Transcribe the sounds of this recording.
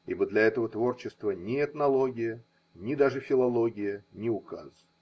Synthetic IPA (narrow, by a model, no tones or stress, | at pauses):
ḭbəd̪lʲɐɛt̪əvət̪vo̞rt͡ɕɪst̪vənʲɪɛt̪nɐlˠo̞ɡʲɪjə | nʲɪd̪aʐɨfʲɪlˠɐlˠo̞ɡʲɪjənʲɪʊka̰z